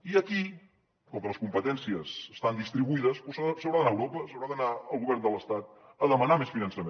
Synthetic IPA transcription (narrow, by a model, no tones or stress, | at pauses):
iəki | kɔŋkələskumpət̪ɛnsiəzəst̪and̪ist̪ɾiβuiðəspussəwɾaðənaəwɾopəsəwɾaðənaəlˠɣuβɛrnd̪ələst̪at̪̚ | əðəmənamesfinənsəme